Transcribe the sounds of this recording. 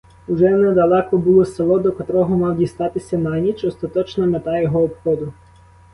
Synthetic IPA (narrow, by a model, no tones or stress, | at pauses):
uʒɛnɛd̪ɐlˠɛkɔbʊlˠɔselˠɔd̪ɔkɐt̪ɾɔɦɔmɑwdʲist̪ɑt̪ɪsʲɐnɑnʲit͡ʃɔst̪ɐt̪ɔt͡ʃnɔmet̪ɑjɔɦɔɔpxɔd̪ʊ